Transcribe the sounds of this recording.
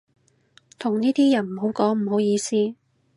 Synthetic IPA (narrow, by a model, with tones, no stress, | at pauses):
t̪ʰʊ˨˩ŋniː˥t̪iː˥jɐ˨˩nm̩˨˩ho˨˥wkɔː˨˥ŋm̩˨˩ho˨˥wjiː˨˧siː˥